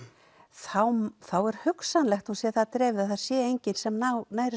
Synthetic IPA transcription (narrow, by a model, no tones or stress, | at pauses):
θawθawɛɾ̥hʏksanlɛxt̪hunsjɛθaðt̪ɾɛːvðaθḁsjɛejɲcɪnsɛmnanaːjɾɪ